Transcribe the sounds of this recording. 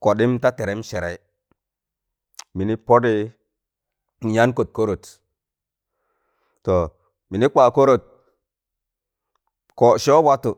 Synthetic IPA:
ko˨ɗi˦mta˦te˨ɾe˨˦m˦ʃe˨ɾe˨i˦ | mi˨ni˦po˦di˦ | n˨ɲa˦nko˨t̚ko˦ɾo˨t | to˨ | mi˨ni˦k͡pa˨ko˦ɾo˨t̚ | ko˨ʃo˦wa˦tu˨

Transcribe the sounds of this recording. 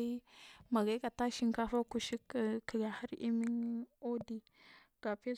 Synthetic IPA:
i˦ma˨ɡa˦i˦ka˨ta˦ʃi˦ŋka˦fa˦ku˦ʃi˦kki˨ɡa˨ha˦ɾḭ˦mi˦ŋ˦o˦di˦ | ɡ̥a˨pe˦

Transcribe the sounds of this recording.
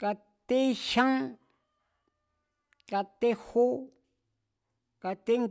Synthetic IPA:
ka˧ | t̪e˦ʃã˦ŋ | ka˧t̪e˦hu˦ | ka˧t̪e˦ŋ

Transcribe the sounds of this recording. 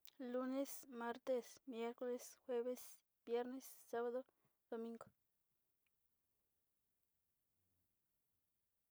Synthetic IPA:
lu˧ne˦sma˦ɾt̪e˦˧smje˦ɾko˦le˦sxwe˦βe˦s | bje˦ɾne˦sːa˦βa˦d̪o˦ | d̪̥o˨mĩ˦ŋɡo̥˦

